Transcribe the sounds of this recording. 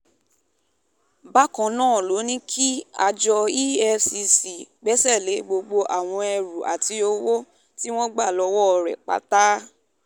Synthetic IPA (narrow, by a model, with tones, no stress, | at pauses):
ba˦kã˨nãː˦˨lo˨˦nĩ˦kʰi˦a˧d͡ʒɔ˧i˦ɛ˧si˧si˨ɡ͡bɛ˦sɛ˦˨le˨˦ɡ͡bo˧ɡ͡bo˧ʔa˨w̃ɔ̃˧ɛ˧ɾu˨ʔa̰˨ti˧o˧wo˦ | ti˦w̃ɔ̃˦ɡ͡ba˦˨lɔ˧wɔ˦ɔ˧ɾɛ̰˨k͡pa̰˨˦ta˦